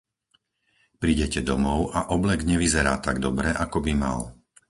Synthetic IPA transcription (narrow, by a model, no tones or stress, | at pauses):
pɾiːɟɛcɛd̪ɔmɔʊʔaʔɔblɛɡɲɛʋizɛɾaːt̪aɡd̪ɔbɾɛʔakɔbima̰l